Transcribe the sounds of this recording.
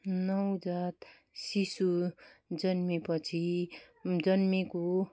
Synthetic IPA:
nʌwd͡zat̪ | sisud͡zʌnmipʌt͡sʰi | d͡zʌnmiko

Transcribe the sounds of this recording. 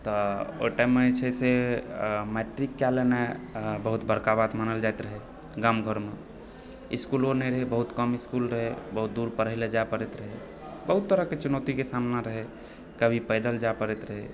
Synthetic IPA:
t̪ɔo̰ʈɛmet͡ʃʰɛse | mɛʈɾikːalenebəɦut̪bəɾkabat̪manəld͡ʒajt̪ɾəɦɛ | ɡamɡʱəɾme | iskulonəjɾəɦebəɦut̪kəmiskulɾəɦebəɦut̪̚d̪uɾpəɾəɦiled͡ʒapəɾɛt̪ɾəɦɛ | bəɦut̪ːəɾəket͡ʃunət̪ikesamnaɾəɦɛ | kəbʱipəjd̪əld͡ʒapəɾɛt̪ɾəɦɛ

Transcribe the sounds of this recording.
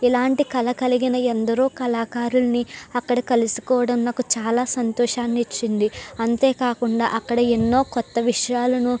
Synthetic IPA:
ilaːɳʈikɐlɐkɐliɡinɐend̪ɐɾoːkɐlaːkaːɾulɐniɐkːɐɽɐkɐlusi̥kɔːʋɐɽɐmnaːkut͡ʃaːlaːsɐnt̪ɔːʂaːnːit͡ʃːind̪iɐnt̪e̞ːkaːkuɳɖa̰ːʔɐkːɐɽɐenːo̞ːkɔt̪ːɐʋiʂɐjaːlɐnu

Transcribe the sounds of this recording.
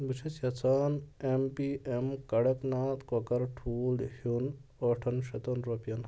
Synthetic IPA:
bit͡ʃʰɐsɐt͡sʰaːnempiːʔemkɐɽeknaːt̪kokɐɾʈʰuːlhun | oːʈʰɐnʃɐt̪onɾopjɐn

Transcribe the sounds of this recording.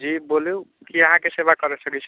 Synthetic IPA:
d͡ʒiboliu | kiəɦãkesebakəɾesəkɛt͡ʃʰ

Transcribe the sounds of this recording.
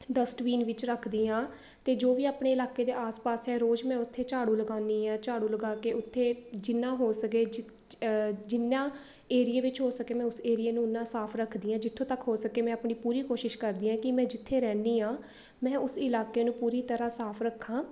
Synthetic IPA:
ɖəsʈʋiːnʋɪt͡ʃɾəkʰd̪iːãː | t̪eːd͡ʒoːʋiːaːpɳeːɪlaːkeːd̪eːʔaːspaːsɦɛːɾoːd͡ʒmɛ̃ːʊt̪ʰːeːt͡ʃaːɽũːləɡaːniːãːt͡ʃaːɽũːləɡaːkeːʊt̪ʰːeːd͡ʒɪnːãːɦoːsəkeːd͡ʒɪ | d͡ʒɪnãː | eːɾieːʋɪt͡ʃɦoːsəkeːmɛ̃ːʊseːɾieːnũːnːãːsaːpʰɾəkʰd̪iːãːd͡ʒɪt̪ʰːõːt̪əkɦoːsəkeːmɛ̃ːapɳiːpuːɾiːkoːʃɪʃkəɾd̪iːãːkɪmɛ̃ːd͡ʒɪt̪ʰːeːɾɛːnd̪iːãː | mɛ̃ːʊsɪlaːkeːnũːpuːɾiːt̪əɾãːsaːpʰɾəkʰːãː

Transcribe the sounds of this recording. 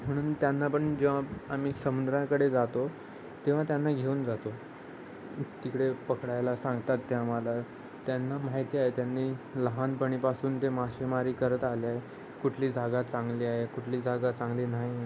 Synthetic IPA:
m̤əɽ̃uːnt̪janːapəɳd͡ʑeʋ̤aam̤iːsəmund̪ɾjãkəɽed͡zat̪o | t̪eʋ̤at̪janːaɡʱeund͡zat̪o | t̪ikɽepəkɽajlasãŋɡt̪at̪ːeamala | t̪janːamaɦjt̪iːaɦet̪janːiːləɦanpəɽ̃iːpasuːnt̪emaɕʋimaɾiːkəɾət̪aliaɦe | kuʈʰliːd͡zʱaɡat͡sãŋɡliːaɦekuʈʰliːd͡zʱaɡat͡sãŋɡliːnaɦi

